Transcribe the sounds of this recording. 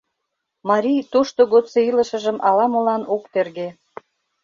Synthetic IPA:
mɑɾʲijt̪oʃt̪oɣot̪t͡seilə̆ʃə̆ʒə̆mɑlɑmə̆lɑnokt̪erɣe

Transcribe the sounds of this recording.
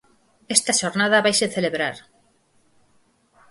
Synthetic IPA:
est̪aʃoɾnað̞aβajseθeleβɾaɾ

